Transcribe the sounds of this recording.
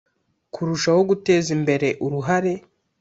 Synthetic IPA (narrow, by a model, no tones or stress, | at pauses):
kʰuɾuʃaho̞ɡute̞ːzimbe̞ɾe̞ʔuɾuɦaɾe̞